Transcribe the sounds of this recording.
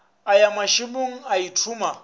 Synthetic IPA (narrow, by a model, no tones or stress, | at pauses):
ajamaʃiɓuŋ̩aitʰuma